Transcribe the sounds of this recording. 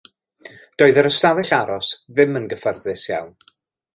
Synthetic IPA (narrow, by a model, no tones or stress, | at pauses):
d̥oːɨðəɾəstavɛɬaɾɔsðɪmənɡəfərðɨsja̰wn